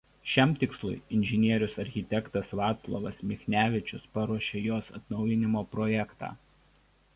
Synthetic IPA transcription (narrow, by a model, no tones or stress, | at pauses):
ʃʲɛˑmt̪ʲɪkslˠʊ̰ɪɪnʲʒʲɪnʲiɛɾʲʊsɐɾʲxʲɪt̪ʲɛkt̪ɐsʋɑːt̪slˠɔ̰ʋɐsmʲɪxʲnʲæːʋʲɪt͡ʃʲʊspɐɾuɔʃʲejoːsɐ̰t̪nɒʊjɪnʲɪmoːpɾɔjɛkt̪ɑ̰ː